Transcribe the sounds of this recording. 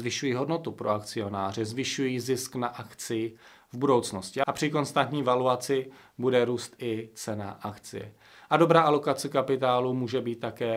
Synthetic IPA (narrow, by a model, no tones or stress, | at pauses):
zvɪʃujiːɦo̞dno̞t̪upɾo̞akt͡sɪo̞naːr̝ɪzvɪʃujiːzɪsknaʔakt͡sɪjɪ | vbudo̞wt͡sno̞scɪʔapr̥ɪko̞nst̪ant̪ɲiːvaluat͡sɪ | budɛɾuːst̪ʔɪt͡sɛna̰ʔakt͡sɪ̰jɛ̰ | ʔado̞bɾaːʔalo̞kat͡sɛkapɪt̪aːlumuːʒɛbiːt̪ːakɛː